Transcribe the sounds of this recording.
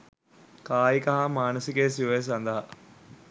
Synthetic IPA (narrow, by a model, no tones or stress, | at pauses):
kaːjikɐɦamaːnəsikes̬iʋɐjs̬ɐnd̪ɐɦɐ